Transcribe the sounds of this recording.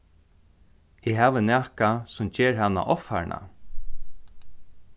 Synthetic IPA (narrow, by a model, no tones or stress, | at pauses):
ɪɦaːʋənæːhkasʊmt͡ʃeːɹɦanːa̰ʔɔfha̰ɾɳa̰